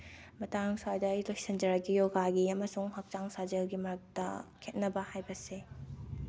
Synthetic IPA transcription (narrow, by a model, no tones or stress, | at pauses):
mɐtaŋŋsajdɐːilojsɐnd͡ʒɐɾɐɡijoɡaɡiɐmɐsuŋhɐk̚t͡ʃaŋsad͡ʒɐlɡimɐɾɐk̚tɐ̰kʰet̚nɐbɐhajbɐse